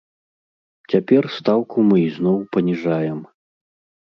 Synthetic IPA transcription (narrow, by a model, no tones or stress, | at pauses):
t͡sʲapʲɛrst̪awkumɨiznɔwpɐnʲiʐajɛm